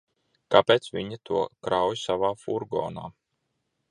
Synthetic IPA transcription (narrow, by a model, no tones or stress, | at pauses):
kapeːt̪svʲiɲit̪ʰuɔkɾawjsavaːfuɾɡɔ̰ːna̰ː